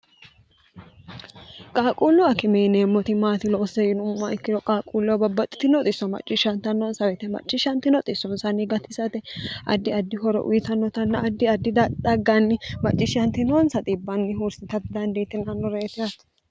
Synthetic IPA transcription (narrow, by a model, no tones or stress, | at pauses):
kʼaːkʼuːlːɔɐkɪmɛjneːmːɔt̪ɪmaːt̪ɪlɔːsɛjɪnʊmːɐʔɪkːɪd̪ɔkʼaːkʼuːlːɔbɐbːɐt̪ʼːɪ̥t̪ɪnɔt̪ʼɪsːɔmɐ̰t͡ʃʼːɪʃɐnt̪ɐnːɔnsɐwɛt̪ɛmɐ̰t͡ʃʼːɪʃɐnt̪ɪnɔt̪ʼɪsːɔnsɐnɪɡɐt̪ɪsɐt̪ɛʔɐ̰d̪ːɪɐd̪ːɪhɔɾɔ̰ʔʊ̰jɪt̪ɐnːɔt̪ɐnːɐʔɐd̪ːɪɐd̪ːɪd̪ɐd̪ɐɡːɐnːɪmɐt͡ʃʼːɪʃɐnt̪ɪnonsɐt̪ʼɪbːɐnːɪɦuɾsɪt̪ɐt̪ɪd̪ɐnd̪ɛjt̪ːɪnɐnːɔɾeːt̪ɪjɐt̪